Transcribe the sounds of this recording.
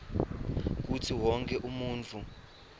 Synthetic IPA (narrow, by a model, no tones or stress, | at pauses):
k̬utʰiwɔŋk̬ʰʼɛʔumuːnt͡fʰu